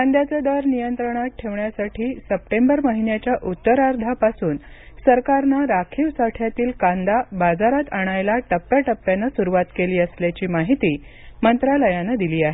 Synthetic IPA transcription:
kãnd̪jat͡sed̪əɾnijənt̪ɾəɽ̃at̪̚ʈʰeʋɳjasaʈʰiːsəp̚ʈembəɾməɦinjat͡ɕjaʔut̪ːəɾaɾd̪ʱapasuːn | səɾkaɾnaɾakʰiːʋsaʈʰjat̪iːlkãnd̪abad͡zaɾat̪aɽ̃ajlaʈəpːjaʈəpːjanːasuɾuʋat̪keliːəsljat͡ɕiːmaɦit̪iːmənt̪ɾaləjanəd̪iliːaɦe

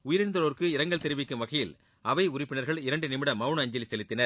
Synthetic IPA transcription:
ʊjɪɾɪnd̪ɐloːɾkɯɪɾɐŋɡɐɭt̪ɪɾɯʋɪkːɯmʋɐɣɐjɪl | ɐʋɐɪʊɾɪpːɪnɐɾɣɐɭɪɾɐɳɖɯnɪmɪɽɐmɐɯɳɐɲd͡ʒɐlisɛlɪt̪ːɪnɐɾ

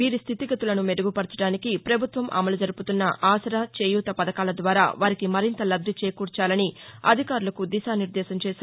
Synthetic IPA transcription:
ʋiːɾist̪ʰit̪iɡɐt̪ulɐnumeɽuɡupɐɽɐt͡ʃɐɽaːnikipɾɐbʱut̪ʋɐmʔɐ̰mɐlud͡ʒɐɾuput̪unːɐʔaːsɐɾaːt͡ʃeːjuːt̪ɐpɐd̪ɐkaːlɐd̪ʋaːɾa̰ːʋaːɾikimɐɾint̪ɐlɐbd̪ʱɐt͡ʃeːkuːɾt͡ʃaːlɐniɐ̰d̪ʱikaːɾulɐkud̪iʃaːniɾd̪ɛːʃɐmt͡ʃeːsi

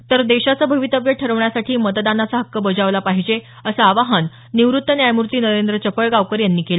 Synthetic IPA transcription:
t̪əɾd̪eɕat͡səbʱəʋit̪əbjəʈʰəɾəʋɳjasaʈʰiːmət̪d̪anat͡saɦəkːəbəd͡zaʋlapaɦid͡ʑe | əsaaʋaɦənː | iʋɾut̪ːənjajmuɾt̪iːnəɾend̪ɾət͡ɕəpəɭɡaʋkəɾjanːiːkela

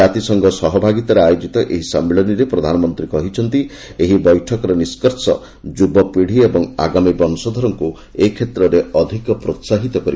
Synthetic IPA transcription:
at̪isɔŋɡʱɔsɔɦɔbʱaɡit̪aɾeajod͡ʒit̪ɔʔeɦisamːeɭɔniɾepɾɔd̪ʱanɔmɔnt̪ɾikɔɦit͡ʃʰɔnt̪i | eɦibɔjʈʰɔkɔɾɔniskɔɾsɔ | d͡ʒubɔpiɽ̤iebɔŋa̰ɡamibɔnɔsɔd̪ʱɔɾɔŋku | ekʰet̪ɾɔɾeɔd̪ʱikɔpɾot̪saɦit̪ɔkɔɾi

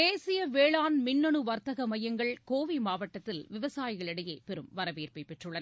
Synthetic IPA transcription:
eːsɪjɐʋeːɭaːnmɪnːɔɳɯʋɐɾt̪ɐɣɐmɐjɐŋɡɐɭkoːʋimaːʋɐʈːɐt̪ːɪlʋɪʋɐsaːjɪɣɐɭɪɽɐjeːpɛɾɯmʋɐɾɐʋiːrpɐɪpɛʈrɯɭɐnɐ

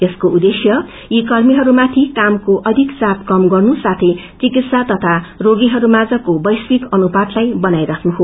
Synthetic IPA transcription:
t̪eskoud̪esjʌ | jikʌrmiɦʌɾumat̪ʰikamkoʔʌd̪ʱikt͡sapkʌmɡʌrnusat̪ʰet͡sikit̪sat̪ʌt̪ʰaroɡiɦʌɾumad͡zʌkobʌjswikʌnupat̪lajbʌnajɾʌkʰnuɦo

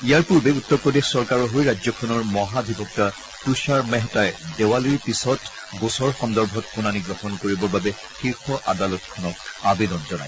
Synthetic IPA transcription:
ijaɹpuɹbɛutːɔɹpɹɔdexsɔɹkaɹɔɦojɹazɔkʰɔnɔɹmɔɦabʱibʱɔk̚ta | tuʃaɹmɛɦɛtajdɛwaliɹpisɔt | ɡosɔɹxɔndɔɹbʱɔtpunaniɡɹɔxɔnkoɹibɔɹbabɛ | xiɹxɔʔadalɔtkʰɔnɔtabedɔnzɔna̰j

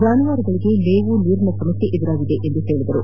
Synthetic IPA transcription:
d͡ʒaːnɐʋaːɾiɡɐɭiɡe̞leːʋuniːɾɐnɐsɐmɐt̪ːiʔed̪iɾaːɡid̪e̞ʔend̪ut̪e̞ːɭid̪ɐɾu

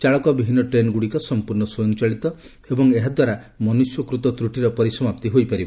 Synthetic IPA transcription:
t͡ʃaɭɔkɔbibʱinɔʈɾenɡuɽikɔsɔmpuɾɳɔsojɔ̃ŋt͡ʃaɭit̪ɔ | ebɔŋeɦad̪waɾa | mɔnusjɔkɾut̪ɔt̪ɾuʈiɾɔpɔɾisɔmap̚t̪iɦojpaɾib

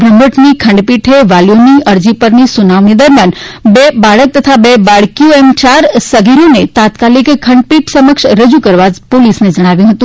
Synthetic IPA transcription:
bɾəmbəʈnikʰə̃ɳɖpiʈʰeʋaljoniəɾd͡ʒipəɾnisunaʋnid̪əɾmjanbebaɭək̚t̪ət̪ʰabebaɭkioemt͡ʃaɾsəɡiɾonet̪at̪kalikkʰə̃ɳɖpiʈsəməkʃɾəd͡ʒukəɾʋad͡ʒpolisned͡ʒəɽ̃aʋjũɦət̪ũ

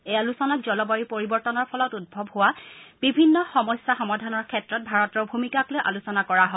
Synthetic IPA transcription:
ejalusɔnak̚zɔlɔbaɹipoɹibɔɹtɔnɔɹpʰɔlɔtud̚bʱɔbhowab̥ibʱinːɔxɔmɔjsaxɔmadʱanɔɹkʰɛtɹɔt̚bʱaɹɔtɔɹbʱumikaklojʔa̰lusɔnakɔɹaɦɔ

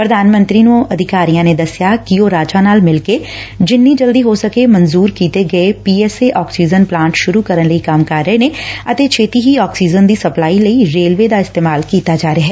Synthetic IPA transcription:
pɾɐd̪ʱaːnmə̃nt̪ɾinũɐd̪ʱɪkaːɾijãned̪ɐsjakioɾaːd͡ʒanaːlmɪlke | d͡ʒɪnːid͡ʒɐld̪iɦosɐkemɐ̃nzuːɾkiːt̪eɡɐepiːɛːseʔɔːksiːd͡ʒənplãːɳʈʃʊɾukɐɾənlɐikaːmkaːɾjəneɐt̪et͡ʃʰeːt̪iɦiɔːksiːd͡ʒənd̪isɐplaːilɐiɾeːlʋed̪aɪst̪eːmaːlkiːt̪ad͡ʒaːɾeɦɛː

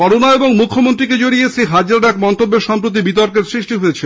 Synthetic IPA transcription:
kɔɾonaeboŋmukʰːomont̪ɾiked͡ʑoɽiesʰeɦad͡ʑɾaɾɛkmɔnt̪obːeɾʃɔmpɾot̪̬ibit̪̬ɔɾkeɾsɾiʃʈiɦojet͡ɕʰe

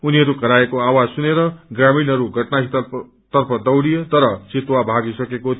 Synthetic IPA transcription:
uniɦʌɾukʌɾaekoawad͡zsuneɾʌɡraminɦʌɾuɡʱʌʈnaɦit̪ | t̪ʌrpʰʌd̪ʌwɽijet̪ʌɾʌt͡sit̪wabʱaɡisʌkekot̪ʰ

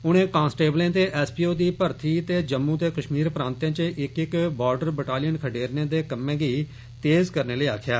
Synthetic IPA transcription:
ʊñẽːkãːnsʈeːblẽːt̪eːʔɛːspiːoːd̪iːpəɾt̪ʰiːt̪eːd͡ʒəmːũːt̪eːkəʃmiːɾpɾãːnt̪jãːt͡ʃəʔɪkɪkbaːɾɖəɾbəʈaːlɪjənkʰəɖeːɾnẽːd̪eːkəmːẽːɡiː | t̪eːzkəɾneːləiːaːkʰjaː

